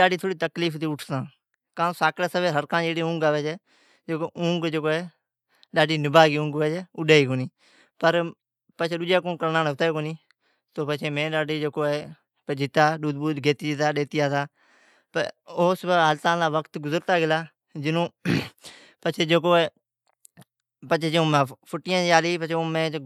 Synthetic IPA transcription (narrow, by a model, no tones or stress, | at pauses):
aːɖiːt̪ʰoːɽiːt̪əkliːft̪iːʊʈʰt̪ãː | kãːsaːkɽeːsəbeːɦəɾkãːd͡ʒeːɽeːũːŋɡaːʋeːd͡ʒɛː | d͡ʒekoʔũːŋɡd͡ʒokoːɛː | ɗaːɖiːnɪbaːɡiːũːŋɡʋɛːd͡ʒeʊɗaːiːkoːniː | pəɾ | pət͡ʃʰeːɗʊd͡ʒaːkõːkəɾnaːnʊt̪aːkoːniː | t̪oːpət͡ʃʰeːmẽːɗaːɖiːd͡ʒeːkoːeː | pəd͡ʒɪt̪aːɗuːd̪buːd̪ɡeːt̪iːd͡ʒt̪aːɗeːt̪ɪjaːt̪aː | pəoːsbəalt̪ãːlaːʋəkt̪ɡʊzəɾt̪aːɡɪlaː | d͡ʒɪnõː | pət͡ʃʰeːd͡ʒeːkoːeː | pət͡ʃʰeːt͡ʃeõːmaːpʰʊʈːɪjãːt͡ʃːaːliːpət͡ʃʰeːoːmẽː